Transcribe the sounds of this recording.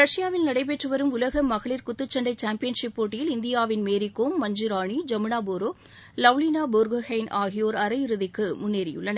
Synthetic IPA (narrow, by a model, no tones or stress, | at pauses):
ɾɐʂɪjaːʋɪlnɐɽɐɪp̬ːeːʈrɯʋɐɾɯmʊlɐɣɐmːɐɣɐɭɪɾkʊt̪ːɯt͡ʃːɐɳɖɐɪt͡ʃaːmpɪjɐnʂɪpːoːʈːɪjɪlɪnd̪ɪjaːʋɪnmeːɾɪkːoːmːɐɲd͡ʒɪɾaːɳid͡ʒɐmɪɳaːboːɾoː | lɐʋlinaːboɾɡɐhɐɪnaːɣɪjoːɾɐɾɐjɪɾɯðɪkːɯmʊnːeːɾɪjʊ̰ɭːɐnɐ